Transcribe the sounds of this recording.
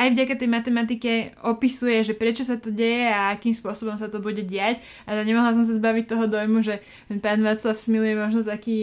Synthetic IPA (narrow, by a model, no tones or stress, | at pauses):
ajvɟakat̪ɛjmat̪ɛmat̪̬ikɛɔpisujɛʒɛpɾɛt͡ʃɔsat̪ɔɟɛjɛaakiːmspʊɔsɔbɔmsat̪ɔbuɟɛɟɪac | aɲɛmɔɦlas̬ɔms̬azbaʋic̚t̪ɔɦɔd̪ɔjmuʒɛ | paːnʋat̪t͡slafsmilujɛmɔʒnɔt̪akiː